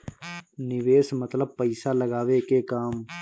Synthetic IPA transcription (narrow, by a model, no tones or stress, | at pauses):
nɪʋeːsmɐt̪ləb̚pəɪsalɐɡaːwekekaːm